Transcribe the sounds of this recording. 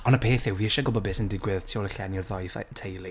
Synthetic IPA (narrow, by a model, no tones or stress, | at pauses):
ɔnəpʰeːθɪwviɪʃɔɡɔbɔbɪsəndɪɡwɪð̥tʰjoləɬɛnɪrðɔjθtʰejli